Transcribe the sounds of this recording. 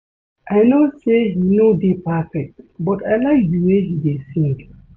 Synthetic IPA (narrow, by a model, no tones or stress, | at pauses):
ʔajnoseɦinodepafɛk̚tbɔtajlaɪk̚diweɦidesĩŋk